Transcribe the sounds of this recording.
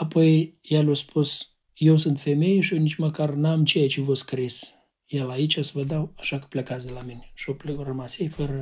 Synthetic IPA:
apʰojjalʲospus | jewsɨnt̪femejʃjewnit͡ʃʲməkarnamt͡ʃejat͡ʃevoskɾis | jelait͡ʃʲasvəd̪awaʃakə̥plʲekat̪sʲd̪ʲelaminʲeʃoplrəmasejfəɾə

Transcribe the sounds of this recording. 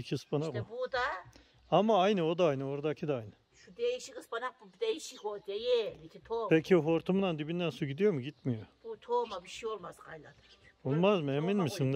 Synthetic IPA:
icʰiɯspʰanakbud̪a | amaajnɯo̞d̪aajnɯo̞ɾd̪acʰid̪aajnɯ | ʃud̪ejiʃikɯspanaq̚bubd̪ejiʃikod̪ejɪlikʰʲit̪ʰopʰecʰiofo̞ɾt̪ʰumd̪and̪ibind̪ænsuɟʲid̪ijo̞muɟit̪mijob̥ut̪ʰomabiʃijolˠmazqʰajlˠad̪ʰɯ | bullˠmazmeminmisin

